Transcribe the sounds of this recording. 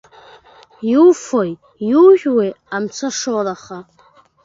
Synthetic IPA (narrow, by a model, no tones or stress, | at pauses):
juwfoj | juʒᶣwej | amt͡sʷʰaʂowalaχa